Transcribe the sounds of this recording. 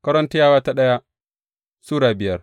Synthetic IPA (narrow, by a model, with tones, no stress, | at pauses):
kɐ˦ɾɔ˦nti˦jaː˦waː˦ta˦ɗɐ˦ja˦ | suː˦ɽaː˨bɪ˨jɐ˦r